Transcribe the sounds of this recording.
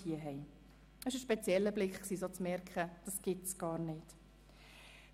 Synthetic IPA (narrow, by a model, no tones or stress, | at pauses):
iəɦɛɪ | əsɪʃəʃpɛt͡sjɛlːəblɪkχksiːsot͡smɛɾkχəd̥ɑsɡ̥ɪtsɡ̥ɑːɾnɪt